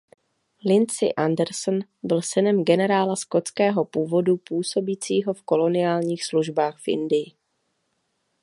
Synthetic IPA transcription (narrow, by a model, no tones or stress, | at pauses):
lɪnt͡sɪ̰ʔandɛɾsnbɪlsɪnɛmɡɛnɛɾaːlasko̞t͡skɛːɦo̞puːvo̞dupuːso̞biːt͡siːɦo̞fko̞lo̞nɪjaːlɲiːxsluʒbaːxfʔɪ̰ndɪjɪ